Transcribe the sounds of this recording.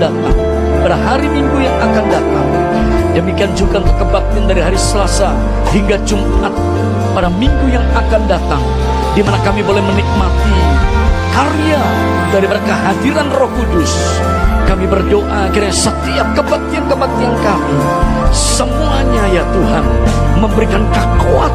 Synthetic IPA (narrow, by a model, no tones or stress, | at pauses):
dat̪aŋ | padaɦaɾimiŋɡujaŋakandat̪aŋ | dəmikiand͡ʒuɡaunt̪ʊkːəbak̚t̪iandaɾiɦaɾisəlasa | ɦiŋɡad͡ʒumʔat̪̚ | padamiŋɡujaŋakandat̪aŋ | dimanakamibolɛhmənik̚mat̪i | karija | daɾiməɾekaɦadiɾanrɔhkudʊs | kamibərdoʔakiɾŋɲasət̪iap̚kəbak̚t̪iankəbak̚t̪iankami | səmuaɲajat̪uɦanməmbəɾikankakuat̪̚